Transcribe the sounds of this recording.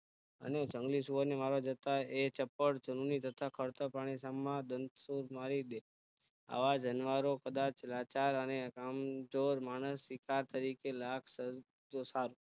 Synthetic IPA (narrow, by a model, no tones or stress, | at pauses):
ə̰ned͡ʒəŋɡlisuʋəɾnemaɾad͡ʒət̪aet͡ʃəpːəɽd͡ʒənunit̪ət̪ʰakʰəɾt̪əpaɽ̃isamːãd̪ənt̪suɾmaɾid̪e | a̰ʋad͡ʒənʋaɾokəd̪at͡ʃlat͡ʃaɾənekamd͡ʒoɾmaɽ̃əsːikaɾt̪əɾikelakʰsə | d͡ʒosaɾu